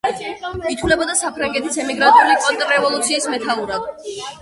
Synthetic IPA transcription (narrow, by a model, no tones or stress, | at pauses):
it̪ʰwulɛbɔd̪asapʰɾaŋɡɛt̪ʰisɛmiɡɾant̪ʼiulikʼɔnt̪ʼɾɾɛvɔlˠut̪sʰiːsmɛt̪ʰauɾad̪